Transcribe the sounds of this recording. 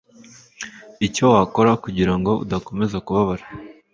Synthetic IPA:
ico̞wako̞ɾakuɟiɾaŋɡo̞ṵdako̞me̞zakuβaβaɾa

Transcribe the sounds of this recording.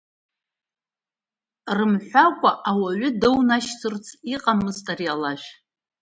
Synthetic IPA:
rɨmħʷakʷʼaʔawaɥʊdɨwnaʃsʰɨrt͡sʰiqʼamɨztʼarjalaʒʷᶣ

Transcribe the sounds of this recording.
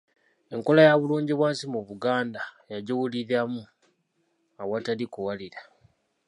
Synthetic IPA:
e̞ŋko̞lajaβuluːɲɟiβwaːnsimuβuɡaːndajaɟuwuliɾamu | awatalikuwaliɾa

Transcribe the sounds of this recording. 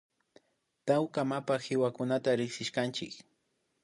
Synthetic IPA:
t̪awkamapaxɪwakʊnat̪aɾɪxsɪʃkant͡ʃɪk

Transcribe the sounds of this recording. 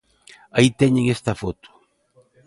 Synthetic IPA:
ait̪eɲeŋest̪ɐfot̪u̥

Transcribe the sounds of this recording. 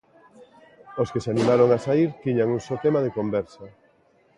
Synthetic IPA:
oskeseanimaɾoŋasaiɾt̪iɲaŋuŋsot̪emaðekombɛɾsɐ

